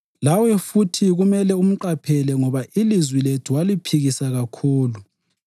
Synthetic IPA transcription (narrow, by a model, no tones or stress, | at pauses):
lawɛfutʰiɣumɛlɛum̩ǃapʰɛlɛŋɔβaʔilizwiletʰuwalipʰiɣisaɣakʰuːlu